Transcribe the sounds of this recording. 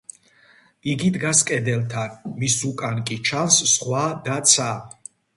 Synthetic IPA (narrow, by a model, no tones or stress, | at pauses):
iɡid̪ɡaskʼɛd̪ɛlt̪ʰanmisukʼankʼit͡ʃʰansːχwad̪at̪sʰa